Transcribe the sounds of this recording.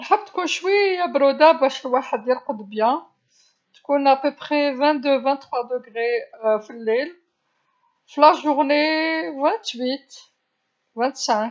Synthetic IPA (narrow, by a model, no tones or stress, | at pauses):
əlħəbːt̪kunʃwiæbɾod̪abæʃəlwaħəd̪ːjælqəd̪bjæ̃ | t̪kunæpøpχevæ̃nt̪̚d̪øvæ̃nt̪ːχwad̪əɡʁefilːel | flæʒuʁnevæ̃nt̪wit̪ | væ̃nt̪sæ̃k